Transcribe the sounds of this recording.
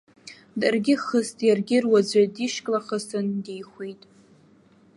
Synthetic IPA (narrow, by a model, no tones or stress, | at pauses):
darɡʲɪχəstʼjarɡʲɪrwad͡zʷadiʃkʼlaχəsɨndejχʷejtʼ